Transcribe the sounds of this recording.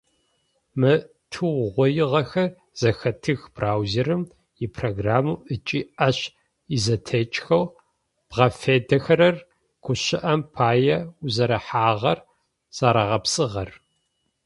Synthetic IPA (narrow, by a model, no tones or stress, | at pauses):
mɨ | tʰuʁʷɔjɪʁɐxɐr | z̥ɐxɐtʰɨxb̥raːwzerɨm | jɪpʰroɡraːmuːʔɨt͡ʃʼiːɐɕ | izɐtʰet͡ʃʼxɐw | b̥ʁɐfeːdɐxɐɾɐr | ɡ̥ʷʰʊɕɪʔɐmpʰaːjɛzɐɾɐħaːʁɐr | z̥aːɾɐʁɐpsʼɨʁɐr